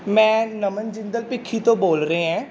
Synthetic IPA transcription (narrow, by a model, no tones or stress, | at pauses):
mɛ̃ːnəmənd͡ʒɪnd̪əlpɪkʰːiːt̪õːboːlɾəeːɦãː